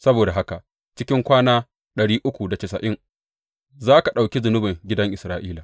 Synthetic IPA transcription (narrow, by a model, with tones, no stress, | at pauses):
sɐ˦boː˨da˨ɦa˦ka˨ | t͡ʃɪ˦kʲɪ˦ŋkʷaː˦naː˦ | ɗɐ˨ɽiː˦ʔʊ˦kʷu˨da˨t͡ʃɪ˨sɐ˨ʔɪ˦ŋ | zaː˦ka˨ɗa˨wkʲi˦zʊ˨nʊ˦bɪ˨ŋɡʲɪ˦dɐ˦ŋʔɪ˨sɾaː˦ʔiː˦laː˨